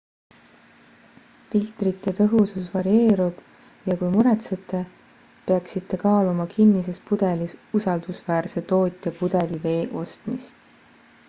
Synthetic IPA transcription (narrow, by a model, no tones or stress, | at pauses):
filt̪ˑrit̪ˑːe̞t̪ɤɦususvɑɾie̞ːɾub̥ | jɑkujmuɾet̪set̪ːˑe̞ | peɑksit̪ːe̞kɑːlumɑkʰinːise̞spud̪̥e̞liusɑld̪̥usvæːrse̞t̪o̞ːt̪ʲːˑjɑpud̪̥e̞live̞ːʔo̞st̪mist̪